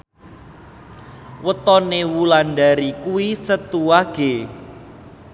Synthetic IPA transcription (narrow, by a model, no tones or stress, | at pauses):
wət̪ɔnewulanɖaɾikuwisət̪uwaɡ̥e